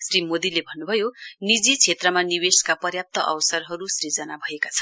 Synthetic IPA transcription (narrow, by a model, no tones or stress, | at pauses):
srimod̪ilebʱʌnːubʱʌjonid͡zit͡sʰet̪rʌmaniweskapʌrjap̚t̪ʌʔʌ̰wʌsʌrɦʌɾusrid͡zʌnabʱʌjekat͡sʰʌ̥n